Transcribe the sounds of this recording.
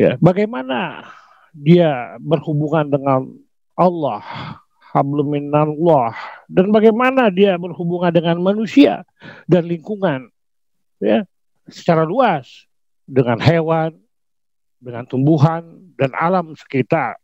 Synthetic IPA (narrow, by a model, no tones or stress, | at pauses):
ja̰baɡajmana̰ | diabərhubuŋandəŋan | alːɑh | abləminanlɔhdanbaɡajmanadiabərhubuŋandəŋanmanusia̰ | danliŋkuŋan | ja | sə̥t͡ʃaɾaluas | dəŋanhewan | dəŋant̪umbuɦan | dana̰lamsə̥kit̪ar